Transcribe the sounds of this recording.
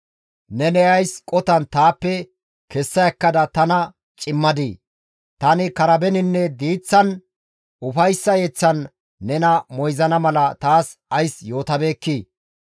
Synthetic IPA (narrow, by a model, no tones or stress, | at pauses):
nɛnɛɐjskʼɔt̪ɐnt̪aːpːɛ | kɛsːɐjɐkːɐd̪ɐt̪ɐnɐ | t͡ʃʼɪmːɐd̪i | t̪ɐnɪkɐɾɐbɛnɪnːɛd̪iːt͡sːɐn | ʊfɐjsːɐjeːt͡sːɐnː | ɛnɐmɔjzɐnɐmɐlɐt̪aːs | ɐjsjo̞ːt̪ɐbeːkːiː